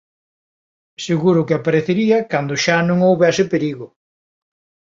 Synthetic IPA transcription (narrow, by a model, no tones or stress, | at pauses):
seɣuɾʊkɪapaɾeθeɾiɐkand̪ʊʃanõŋowβɛsɪpeɾiɣʊ